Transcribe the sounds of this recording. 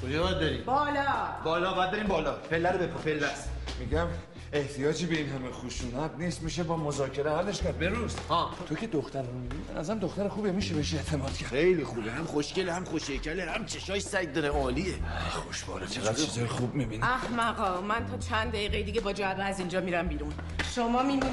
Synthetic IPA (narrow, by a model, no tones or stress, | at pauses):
kʰod͡ʒɒːbɒad̪̚d̪ɒɾiːmbɒːlɒbɒːlɒːbæd̪d̪ɒɾimbɒːlɒːpʰelːæɾobepʰɔpʰelːæsmiɟæm | e̞ht̪ʰijɒːd͡ʒiːbeinɦæmexuʃuːnæt̪̚niːst̪miʃ̬ebɒːmozɒːcʰe̞ɾehælːeʃkæɾd̪̚beɾushɒːt̪ʰo̞cʰe̞d̪oxt̪æɾmomibinibenʔæ̰zæɾæmd̪oxt̪æɾexuːbiemiʃemeʃieʔt̪ʰe̞mɒːd̪̥cʰexejlixubehæmχoʃcelehæmχoʃejcʰælehæmt͡ʃʰeʃɒːjsæj̚d̪ɒɾeɒːliexoʃbɒ̰ːɾet͡ʃʰeɣæd̪izɒɾxubmibiniæhmæɣɒːmænt̪ʰɒːt͡ʃʰænd̪d̪æjiːɣejed̪iɟebɒːd͡ʒɒæbeæzind͡ʒɒːmiɾæmbiːɾun | ʃomɒːmidu